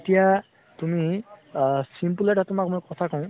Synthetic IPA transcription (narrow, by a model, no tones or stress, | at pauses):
etija | tumi | simpuleʈatumakmojkɔt̪ʰakɔʊ̃